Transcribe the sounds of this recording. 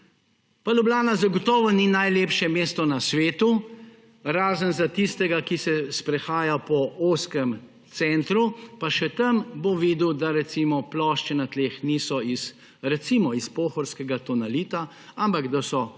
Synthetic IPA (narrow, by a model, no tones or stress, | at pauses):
palublaːnazaɡɔt̪ɔːʋɔninajleːpʃjɛmeːst̪ɔnasʋeːt̪u | ɾaːzənzat̪ist̪ɛɡakisɛspɾɛxaːjapɔoːskɛm | t̪sɛnt̪ɾupaʃɛt̪ɐmboʋid̪uwd̪aɾɛt̪simɔplɔʃt͡ʃɛnat̪leːxnisɔis | ɾɛt̪siːmɔispoːxɔɾskɛɡat̪ɔnaliːt̪a | ampaɡd̪asɔ